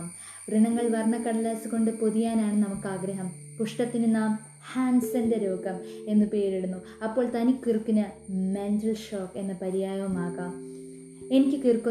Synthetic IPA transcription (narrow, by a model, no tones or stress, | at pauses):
m | riɳɐŋːɐɭʋɐrnːɐkːɐɽɐlaːsɨko̞ɳɖɨpoðijaːnaːɳɨnɐmukːaːɡɾɐɦɐmpuʂʈɐt̪ːinɨnaːm | haːɳsɐndeɾo̞ːɡɐme̞nːɨpe̞ːɾiɽunːu | ɐpːo̞ːɭt̪ɐnikːirkːunɐmendrɐlʂoːkːe̞nːɐpɐɾijaːjɐmaːɣaːm | e̞nikʲːɨkirkːu